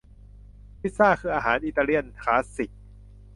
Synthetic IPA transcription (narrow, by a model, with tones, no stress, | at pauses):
pʰi˦˥t̪̚saː˥˩kʰɯː˧˩ʔaː˧ɦaː˩˦nʔi˨˩t̪aː˧ɾi˧˥˩ənk̪ʰaː˦˥si˨˩k̚